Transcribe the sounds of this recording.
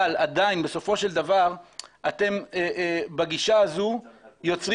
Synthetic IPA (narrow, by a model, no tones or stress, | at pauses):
alad̪ainbe̞so̞fo̞ʃe̞ld̪avaʁʔat̪e̞mebaɡiʃaazujo̞t͡sʁ